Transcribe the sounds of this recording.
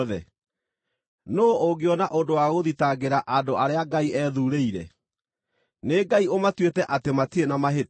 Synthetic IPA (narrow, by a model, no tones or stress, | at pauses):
ðɛ | nooɡeɔnaʔondowaɣoðitaɡeɾaʔadoʔaɾeaɡaiʔɛðuːɾeiɾɛ | neɡaiomatwetɛʔatematienamaɦe